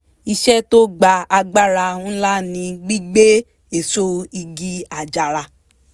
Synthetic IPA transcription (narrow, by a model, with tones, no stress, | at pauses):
i˧ʃɛ˦to˦ɡ͡ba˧a˧ɡ͡ba˦ɾa˧ũ˦la˦˨nĩ˧ɡ͡bi˦ɡ͡be˦ | e˨so˦i˧ɡi˧a˨d͡ʒa˨ɾa˧